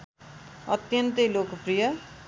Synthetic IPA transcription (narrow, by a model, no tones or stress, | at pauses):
ʌt̪jʌnt̪ʌjlokprijʌ